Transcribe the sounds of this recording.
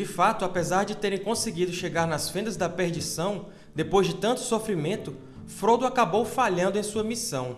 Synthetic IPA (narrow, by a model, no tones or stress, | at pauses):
d͡ʒɪfat̪ʊapezaɾd͡ʒɪt̪eɾẽj̃kõseɡid̪ʊʃeɡaɾnɐsfẽnd̪ɐzd̪ɐpeɾd͡ʒisɐ̃w̃ | d̪epojzd͡ʒɪt̪ɐ̃nt̪ʊ̥sofɾimẽnt̪ʊ | fɾod̪ʊakabowfaʎɐ̃nd̪ʊẽj̃suɐmisɐ̃w̃